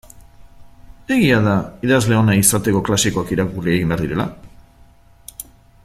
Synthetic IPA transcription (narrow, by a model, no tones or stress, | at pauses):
e̞ɣiaðaiðazle̞o̞naisat̪e̞ko̞klasiko̞akiɾakurieɣimbeaɾðiɾe̞la̰